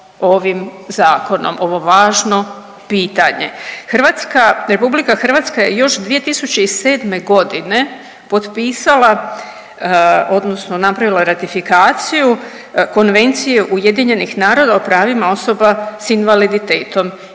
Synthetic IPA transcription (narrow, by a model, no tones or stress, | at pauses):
o̞ʋimzaːko̞no̰mo̞ʋo̞ʋaːʒno̞ | piːt̪aɲe̞̰xr̩ʋat̪skaɾe̞publikaxr̩ʋat̪skaje̞jo̞ʃd̪ʋije̞t̪isut͡ɕe̞ise̞ːd̪me̞ɡo̞d̪ine̞ | po̞t̪piːsalˠa | o̞d̪no̞sno̞napɾaʋilˠaɾat̪ifikaːt̪siju | ko̞nʋe̞nt̪sijeʔuje̞d̪iɲe̞nixnaːɾo̞d̪aopɾaːʋimao̞so̞basinʋalid̪it̪e̞ːt̪o̞m